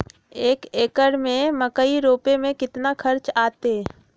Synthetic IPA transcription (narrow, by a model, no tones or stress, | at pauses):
eːkeːkəɾmẽmɐkəiɾoːpemẽkɪt̪nakʰɐɾt͡ʃaːt̪e